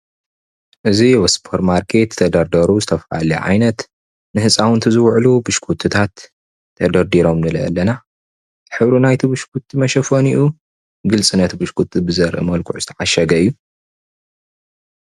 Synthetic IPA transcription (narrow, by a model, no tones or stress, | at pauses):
ʔɨziwɐspʰoɾmaɾkʰe̞t̪ʰːɐd̪ɐɾd̪ɐɾuzɨt̪ʰɐfa̰liʕa̰jnɐt̪ | nɨhɨsʼawɨnt̪ʰɨzɨwʕlubɨʃkʰut̪ʰːɨt̪ʰat̪ʰː | ɐd̪ɐɾd̪iɾo̞mnɨlɐɐ̰lːɐna | zɨħɨβɾunajt̪ʰibɨʃkʰut̪ʰːimɐʃɐfoniʔu | ɡɨlt͡sʼɨnːɐt̪bɨʃkʰut̪ʰːibɨzɐɾʔɨ̰mɐlkʰʊʕuzɨt̪ʰɐʕaʃɐɡɐɨjːu